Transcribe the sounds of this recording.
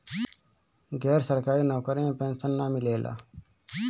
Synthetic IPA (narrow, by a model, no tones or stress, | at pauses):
ɡɛːɾsəɾkaːɾiːnaːkəɾẽpẽːnsənːaːmɪleːlʔa̰ː